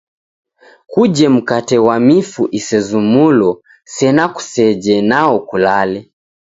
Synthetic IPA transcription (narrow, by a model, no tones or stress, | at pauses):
kud͡ʒɛm̩katɛwamifuʔisɛzumulɔ | sɛnaku̥sɛd͡ʒɛnaɔkulalɛ